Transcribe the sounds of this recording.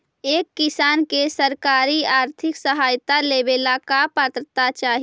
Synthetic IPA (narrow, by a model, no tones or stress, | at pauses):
eːkːɪsaːnkesəɾkaːɾiaːɾt̪ʰɪksəɦaːjt̪aleːbeːlakapət̪ət̪at͡ʃaːɦi